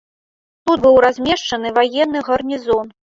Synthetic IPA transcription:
t̪ut̪bɨwɾazʲmʲɛʂt͡ʂɐnɨvajɛnːɨɣɐrnʲizɔn

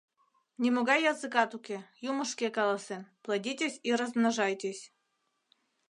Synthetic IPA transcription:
nʲimoɡɑjːɑzɨkɑt̪ukʲejumɤʂkʲekɑlˠasɛnplˠadʲitʲesʲiɾəzmnaʒɑjtʲesʲ

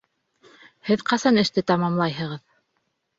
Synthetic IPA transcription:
hɘðqɑsɑnɘ̆ʃt̪ɘt̪ɑmɑmlˠɑjɦɤ̆ʁɤð

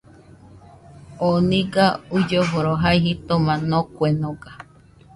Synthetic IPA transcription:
onĩɡaud͡ʒoβuɾoɦaiɦit̪omãnõkʷenõɡa

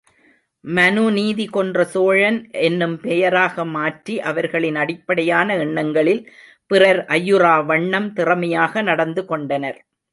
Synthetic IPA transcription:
mɐnuniːðikɔndrɐsoːɻɐnʔɛnːɯmpɛjɐɾaːɣɐmaːʈriʔɐʋɐɾɣɐɭɪnɐɽɪpːɐɽɐjaːnɐɛɳːɐŋɡɐɭɪl | pɪrɐɾʔɐjːɯraːʋɐɳːɐmt̪ɪrɐmɐjaːɣɐnɐɽɐnd̪ɯkɔɳɖɐnɐɾ

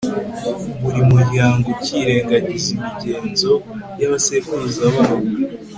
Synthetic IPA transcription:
βuɾimuɾɟaːŋɡo̞ciːɾe̞ːŋɡaɲizimiɟe̞ːnzo̞jaβasevuɾuzaβaββu

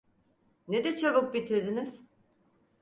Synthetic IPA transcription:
ned̪ɛt͡ʃʰaβɯk̚bit̪ʰiɾd̪iniz̥

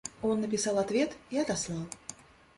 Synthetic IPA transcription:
ɔnːɐpʲisalˠat̪vʲɛt̪iɐd̪aslˠɑlˠ

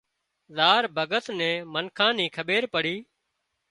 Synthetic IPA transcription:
zaːɾbʱəɡət̪nɛ̃ːmənkʰãːnĩːkʰəɓeːɾpəɽiː

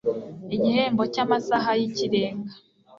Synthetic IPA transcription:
iɟihe̞ːmbo̞camasaɦajiciɾe̞ːŋɡa

